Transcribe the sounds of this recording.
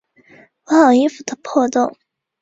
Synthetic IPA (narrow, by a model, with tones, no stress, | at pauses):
wɔ˧˥xɑ˨˩ʊi˥fu˨˩t̪ʰə˧pʰɔ˥˧t̪ʊ˥˩ŋ